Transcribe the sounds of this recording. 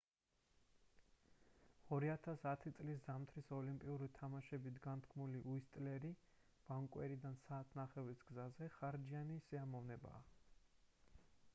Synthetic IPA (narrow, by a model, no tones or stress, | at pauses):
ɔɾiat̪ʰasat̪ʰit̪sʼliszamt̪ʰɾisɔlimpʼiuɾit̪ʰamaʃɛbit̪ʰɡant̪ʰkʰmuliʔuist̪ʼlɛɾi | b̥aŋkʼwɛɾid̪ansaːt̪ʰnaχɛvɾisɡzazɛχaɾd͡ʒianisiamɔvnɛba̰ː